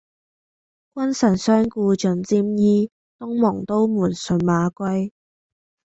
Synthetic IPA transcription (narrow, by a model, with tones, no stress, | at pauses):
kwɐ˥nsɐ˨˩nsœː˥ŋkuː˧t͡ʃɵ˨˩nt͡siː˥mjiː˥ | t̪ʊ˥ŋmɔ˨˩ŋt̪o˥wmuː˨˩nsɵ˨nmaː˨˧kʷɐ˥j